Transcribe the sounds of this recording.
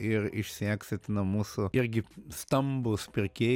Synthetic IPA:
ɪɾɪʃʲsʲæːksʲɪt̪ʲnɐmuːsʊɪɾʲɡʲɪst̪ɐmbʊspʲɪɾʲkʲeː

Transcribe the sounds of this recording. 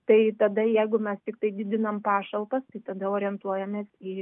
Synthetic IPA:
t̪ɐɪt̪ɐd̪ɐjɛɪɡʊmʲɛst̪ʲɪkt̪ɐɪd̪ʲɪd̪ʲɪnɐmpɑːʃɐlˠpɐst̪ɐɪt̪ɐd̪ɐoːɾʲɪɛnt̪uɔjɛmʲeːsi

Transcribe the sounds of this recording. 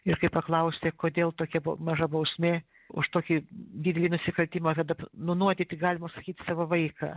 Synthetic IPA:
ɪɾkɐɪppɐklˠɐʊsʲt̪ʲekoːd̪ʲeːlˠt̪oːkʲɛbo̰mɐʒɐbɐʊsʲmʲeː | ʊ̰ʃt̪oːkʲid̪ʲidʲɛlʲiːnʊsʲɪkɐlʲt̪ʲiːmɐkɐd̪ɐpnʊnuɔt̪ʲɪːt̪ʲɪɡɑːlʲɪmɐsɐkʲiːt̪sɑːʋoʋɐɪkɑ̰ː

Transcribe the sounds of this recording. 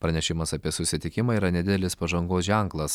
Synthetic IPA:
pɾɐnʲɛʃʲɪmɐsɐpʲiɛsʊsʲɪt̪ʲɪkʲɪmɐiːɾɐnʲɛd̪ʲɪd̪ʲɛlʲɪspɐʒɐŋɡoːsʒʲɛŋklˠɐs

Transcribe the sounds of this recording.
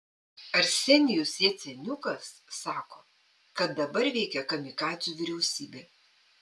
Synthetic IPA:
ɐɾsʲɛnʲɪjʊsʲeːt̪sʲɛnʲʊkɐsːɑːkoː | kɐt̪̚d̪ɐbɐɾʋʲɛɪkʲɛkɐmʲɪkɑːt̪ʲjuːʋʲɪɾʲɛʊsʲiːbʲeː

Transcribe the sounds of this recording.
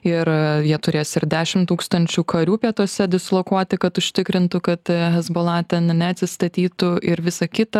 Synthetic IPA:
ɪɾjiɛt̪ʊɾʲeːjoːsɪɾd̪ʲæːʃʲɪmt̪uːkst̪ɐnʲt͡ʃʲuːkʰɐɾʲuːpʲiɛt̪oɔsʲɛd̪ʲɪslˠokuɔt̪ʲɪkɐt̪ʊʃʲt̪ʲɪkɾʲɪnt̪ʊkɐt̪ɦɛzbolˠɑːt̪ʲɛnnʲɛɐt̪ʲsʲɪst̪ɐt̪ʲiːt̪ʊɪɾʋʲɪsɐkʲɪt̪ɐ

